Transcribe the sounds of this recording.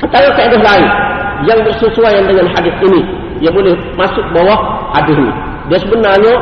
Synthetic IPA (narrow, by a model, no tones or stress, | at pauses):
sət̪aŋaŋsaadɪɦlaɪnjaŋbəʔsəsuajandəŋanɦadɪθini | jabolɛh | masʊk̚bawahhadɪsnḭ | diasəbənarɲa